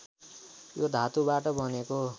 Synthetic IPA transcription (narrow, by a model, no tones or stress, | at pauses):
jod̪ʱat̪ubaʈʌbʱʌneko